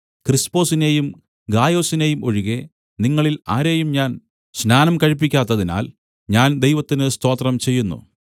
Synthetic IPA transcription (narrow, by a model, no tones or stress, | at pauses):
krispo̞ːsine̞jum | ɡaːjo̞ːsine̞ːjumo̞̰ɻiɣe̞ | niŋːɐɭilaːɾe̞ːjumɲaːn | snaːnɐmkɐɻip̬ːikʲːaːt̪ːɐðina̰ːl | ɲaːnd̪e̞jʋɐt̪ːinɨst̪o̞ːt̪rɐmt͡ɕe̞jːunːṵ